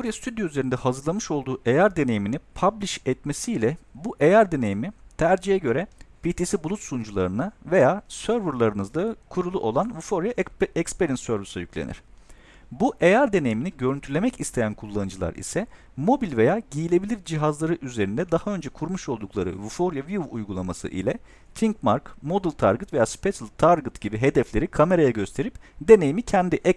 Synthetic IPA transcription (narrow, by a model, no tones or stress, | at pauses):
oɾjast̪ʰyd̪joyze̞ɾind̪ɛhazɯɾlˠamɯʃo̞lˠd̪uːʔe̞jaɾd̪e̞ne̞jiminipʰablʲiʃɛt̪mesiːlʲɛbuʔe̞jaɾd̪e̞ne̞jimit̪ʰæɾd͡ʒijɛɟø̞ɾɛpit̪ʰisibulˠut̪sund͡ʒulˠaɾɯnave̞jaːsø̞ɾvɯɾlˠaɾɯnɯzd̪akʰuɾulˠuʔo̞lˠanvufo̞ɾjaɛkspeɾinsːøɾvisajyclʲḛnḭɾ̥ | buʔejaɾd̪e̞nejiminiɟø̞ɾynt̪ʰyɾlʲe̞mɛcist̪ʰe̞jænkʰulˠːanɯnd͡ʒɯlˠa̰ɾḭsɛ | mo̞bilʲve̞jaːɟijilʲe̞bilʲiɾd͡ʒiɦazlˠaɾɯʔyze̞ɾind̪ɛd̪ahaø̞nd͡ʒɛkʰuɾmuʃo̞lˠd̪uklˠaɾɯ̰vufo̞ɾjaviuvujɡulˠamasɯ̰ʔḭlʲɛ | t̪ʰiŋkmaɾkmo̞d̪ɯlˠt̪ʰa̰ɾɡɯt̪ve̞jaːspet̪lˠt̪ʰaɾɡɯt̪ɟ̥ibiɦe̞d̪ɛflʲe̞ɾikʰame̞ɾajaɟø̞st̪ʰe̞ɾipd̪e̞nejimicʰɛnd̪iʔɛ